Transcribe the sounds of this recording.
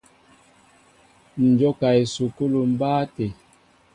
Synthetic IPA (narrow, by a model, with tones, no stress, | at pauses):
n̩˨d͡ʒɔ˦ka˨i˨su˨ko˦lu˨m̩˦baː˦te˨